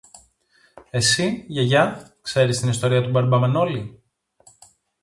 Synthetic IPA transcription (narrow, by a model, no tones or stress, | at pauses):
e̞siʝɐʝɐkse̞ɾist̪inist̪o̞ɾiɐt̪ubɐɾbɐmɐno̞li